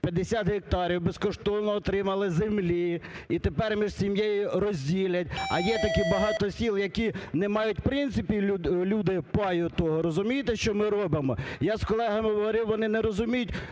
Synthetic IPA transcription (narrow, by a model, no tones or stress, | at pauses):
pʲjɐd̪esʲat̪ɦek̚t̪ɑɾʲiwbeskɔʃt̪ɔnnɔːt̪ɾɪmɐlˠɪzemlʲiit̪epɛrmʲiʒsʲimjejʊrɔzʲdʲilʲɐt̚ʲɐjɛt̪ɐkibɐɦɑt̪ɔsʲilˠjɐkʲinɛmɑjʊtʲpɾɪnt̪sɪpʲilʲud̪ɪpɑjʊt̪ɔɦɔɾɔzʊmʲijt̪ɛʃt͡ʃɔmɪɾɔbɪmɔjaskɔlˠɛɦɐmɪɦɔʋɔɾʲɪwʋɔnɪnɛɾɔzʊmʲijʊtʲ